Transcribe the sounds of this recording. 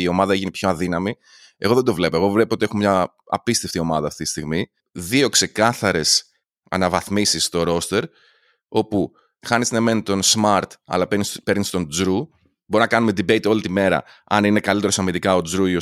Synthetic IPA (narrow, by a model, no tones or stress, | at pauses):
io̞mɐðɐeʝinipço̞ɐðinɐmi | e̞ɣo̞ðend̪o̞vle̞poe̞ɣo̞vle̞poo̞t̪ie̞xomɲɐ̰ː | pist̪e̞ft̪io̞mɐðɐːft̪it̪ist̪iɣmi | ðio̞kse̞kɐθɐɾe̞s | ɐ̰nɐvɐθmisist̪o̞ɾo̞st̪e̞ɾ | o̞pu | xɐniznɐme̞nit̪o̞nsmɐɾt̪ɐ̰lɐpenispe̞ɾnist̪o̞nd͡zɾu | bo̞ɾinɐkɐnumed̪ibeit̪io̞lit̪ime̞ɾɐ̰ | ɐ̰ninekɐlit̪e̞ɾosɐmid̪ikɐo̞d͡zɾuio